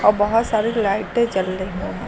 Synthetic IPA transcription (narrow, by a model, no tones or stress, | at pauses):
ɔːɾbɐɦʊt̪saːɾelaːɪʈẽt͡ʃɐlːeɦõːɦɛ̃